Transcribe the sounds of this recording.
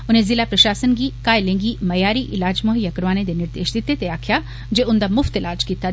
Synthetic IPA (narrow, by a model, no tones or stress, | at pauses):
ʊnẽzɪlapɾɐʃaːsənɡikaːɪlẽːŋɡimɐjaːɾiʔɪlaːd͡ʒmoːɦijakɐɾʋaːnẽd̪enɪɾd̪eːʃd̪ɪt̪ːet̪eaːkʰja | d͡ʒeʊnd̪amʊft̪ɪlaːd͡ʒkiːt̪a